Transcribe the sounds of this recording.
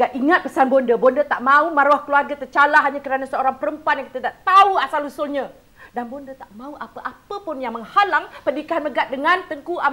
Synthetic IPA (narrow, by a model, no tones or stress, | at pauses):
ɡaʔiŋat̪̚pəsanbɔndəbɔndət̪aʔmãumaɾahkəluarɡat̪ərt͡ʃalaɦaɲakəɾanasəoɾaŋpəɾəmpuanjaŋkit̪əd̪aʔt̪auasalusʊlɲã | danbondət̪aʔmãuʔapəʔapəpʊnjaŋməŋhalaŋpəndikaɦanməɡat̪̚dəŋãnt̪əŋkuʔa